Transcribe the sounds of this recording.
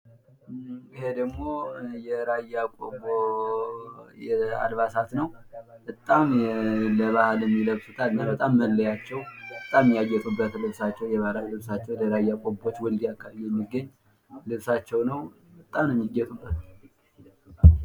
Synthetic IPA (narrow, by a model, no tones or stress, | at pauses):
ihe̞d̪əɡmo̞jɛɾajakʼobo | jɛa̰lβasat̪nəwbət̪ʼːamləβahaljɛmːiləβsut̪ʰalnanbət̪ʼamːəlːəjat͡ʃːɛwbət̪ʼamːijaɡːɛt̪ʼubːət̪lɨβsat͡ʃːɛwjɛβahlalɨβsat͡ʃːɛwləɾajːakʷʼobːo̞t͡ʃːwɔld̪iakʰːabjijɛmːiɡːəɲː | lɨβsat͡ʃːɛwnəw | bət̪ʼːamnɛmːiɡːɛt̪ʼubːət̪